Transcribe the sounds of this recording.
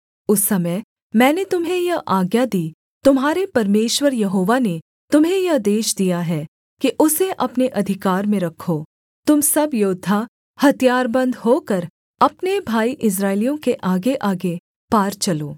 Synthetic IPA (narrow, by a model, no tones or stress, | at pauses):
ʊsːɐməj | mɛ̃ːnet̪ʊmɦẽjɐʔaːɡjad̪iː | t̪ʊmɦaːɾepɐɾmeːʃwəɾjɐɦoːʋane | t̪ʊmɦẽjɐd̪eːʃd̪ijaɦɛː | kiʔʊseʔɐpneʔɐd̪ʱɪkaːɾmẽɾɐkʰːoː | t̪ʊmsɐbjoːd̪ʱːa | hɐt̪ijaːɾbɐ̃nd̪ɦoːkɐɾ | ɐpnebʱaːiʔɪs̬ɾaːɪlijõkeʔaːɡeʔaːɡe | paːɾt͡ʃɐloː